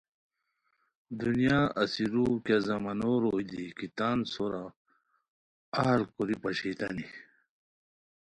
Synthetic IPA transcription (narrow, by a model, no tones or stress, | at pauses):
d̪unijaɐsiɾuːkjazɐmɐnoɾoːid̪ikit̪aːnsoɾa | aːlkuɾipɐɕit̪ɐni